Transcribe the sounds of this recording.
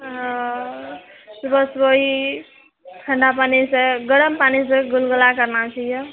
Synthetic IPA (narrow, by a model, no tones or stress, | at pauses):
sbəsboɦi | ʈʰəɳɖapaniseɡəɽəmpaniseɡulɡulakəɾnat͡ʃʰijʌ